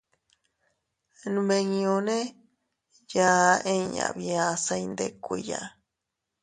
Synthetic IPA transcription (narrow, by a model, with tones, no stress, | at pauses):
nũ˧me˧ŋĩ˧õ˧nẽ˦ | ja˧˦ʔẽ˦ɲã̰˨βi˧a˧sa˧jnd̪e˦˨kʷi˨ja̰˧